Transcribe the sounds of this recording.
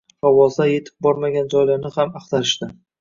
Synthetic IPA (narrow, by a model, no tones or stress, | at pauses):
vawɒzd̪aje̞t̪ʰɪ̥p̚bɒɾmaɡʲand͡ʒɒjlaɾnɪhamɑqt̪ʰaɾɪʃt̪ɪ